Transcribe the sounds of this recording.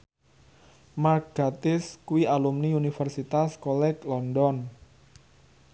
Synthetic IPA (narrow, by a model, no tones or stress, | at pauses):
marɡ̥at̪ɪskuwialumniunifərsit̪askɔlɛklɔndɔn